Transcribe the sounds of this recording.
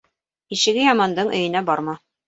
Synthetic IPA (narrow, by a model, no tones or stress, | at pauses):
iʃɘ̆ɡɘjɒmɑnd̪ɤɴʔɵ̰̆jɘ̆næbɒɾmɑ